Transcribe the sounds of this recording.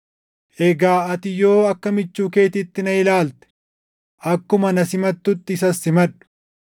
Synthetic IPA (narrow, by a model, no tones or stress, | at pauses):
ʔɛɡaːɐt̪ɪjo̞ːɐkːɐmɪt͡ʃːuːke̞ːt̪ɪt̪ːɪnɐɪlaːlt̪ɛ̥ | ʔɐkːʊmɐnɐsɪmɐt̪ːʊt̪ːɪːsɐsːɪmɐᶑʊ̥